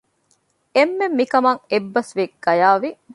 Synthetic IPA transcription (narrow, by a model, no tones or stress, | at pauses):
emːemːikɐmɐŋebːɐsʋekɡ̥ɐjaːʋi